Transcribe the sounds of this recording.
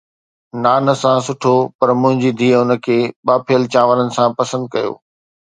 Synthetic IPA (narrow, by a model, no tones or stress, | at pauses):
naːnə̆sãsʊʈʰopɐɾmʊ̃ɦɪ̃ɲd͡ʑid̪ʱiːɦʊnə̆kʰeːɓaːpʰijəlt͡ɕãːʋələnɪ̆sãpɐsə̃nd̪̚kɐjo̰ː